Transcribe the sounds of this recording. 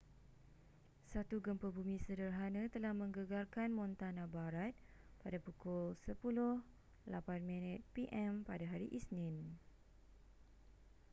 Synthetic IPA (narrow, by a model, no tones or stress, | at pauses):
sat̪uɡəmpəbumĩsədərɦanãt̪əlahmə̃ŋɡəɡarkanmɔ̃nt̪anãbaɾat̪̚padapukʊlsəpulʊh | lapanmɛ̃nɛt̪̚piʔɛmpadaɦaɾiʔisnɪ̃n